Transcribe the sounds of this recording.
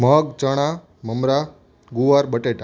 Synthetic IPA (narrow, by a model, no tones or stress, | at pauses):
məɡ̚t͡ʃəɽ̃a | məmɾa | ɡuʋaɾɓəʈeʈa